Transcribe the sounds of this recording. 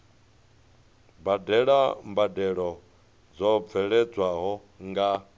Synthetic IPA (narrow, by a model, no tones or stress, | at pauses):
badɛɺambadɛɺɔ | d͡zɔb̪vʰɛɺɛd͡zwaɦɔ | ŋɡa